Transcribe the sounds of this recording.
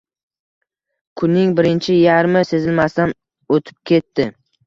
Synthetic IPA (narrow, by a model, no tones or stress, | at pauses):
kʰʊnːɪŋbɪɾɪnt͡ʃʰɪjaɾmɪse̞zɪlmast̪an | ot̪ʰɪ̥p̚kʲʰe̞t̪ʰːɪ